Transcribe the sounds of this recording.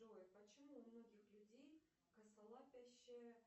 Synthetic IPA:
ojɪpɐt͡ɕɪmumnoɡʲixlʲudʲej | kɐsɐlˠɑpʲæɕːe

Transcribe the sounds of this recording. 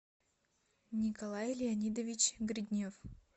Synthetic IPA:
nʲɪkɐlˠajlʲɪɐnʲid̪əvʲit͡ɕɡɾʲɪd̪ʲnʲof

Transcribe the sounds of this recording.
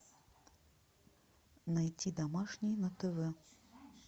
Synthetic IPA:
najt͡sʲid̪amaʂnʲijnɐt̪ɛvɛ

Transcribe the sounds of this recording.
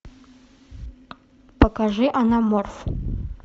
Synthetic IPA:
pɐkaʐɨʔanamorf

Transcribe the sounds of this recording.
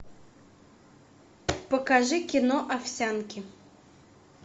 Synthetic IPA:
pəkaʐɨkʲɪnɔʔafsʲankʲɪ

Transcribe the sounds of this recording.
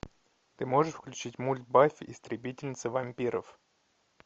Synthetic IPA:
t̪ɨmo̞ʐɨʂfklʲʉt͡ɕitʲmulʲt̪̚bafʲɪʔɪst̪ɾʲɪbʲitʲɪlʲnʲɪt̪səvɐmʲpʲiɾə̰f

